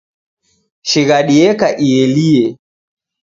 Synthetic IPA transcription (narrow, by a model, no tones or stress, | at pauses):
ʃiɣaɗiɛkaʔiɛliɛ